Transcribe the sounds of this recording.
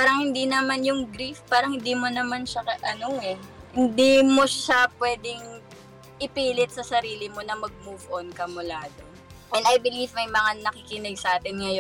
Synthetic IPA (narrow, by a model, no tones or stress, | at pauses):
paːɾɐŋhɪnd̪inɐmanjʊŋɡɾifpaːɾɐŋhɪnd̪imonɐmanʃɐkɐʔɐnoɛhɪnd̪imo̞ʃapwɛːd̪ɪŋ | ʔɪpiːlɪt̪̚sɐsɐɾiːlɪmo̞nɐmɐɡ̚muːvʔonkɐmʊlaːd̪o̞ | ʔɛnɐjbɪlivmɐjmɐŋanɐkɪkɪnɛɡsɐʔaːt̪ɪnŋɐjo